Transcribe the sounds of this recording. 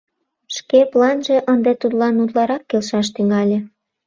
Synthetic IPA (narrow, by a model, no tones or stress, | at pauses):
ʃkeplɑnʒeʔənd̪et̪ud̪lɑnud̪lɑɾɑkːelʃɑʃt̪yŋɑlʲĕ